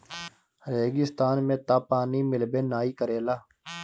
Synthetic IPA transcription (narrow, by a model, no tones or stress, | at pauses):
ɾeːɡɪst̪aːnmẽːt̪aːpaːniːmɪlbeːnaːiːkəɾeːlaː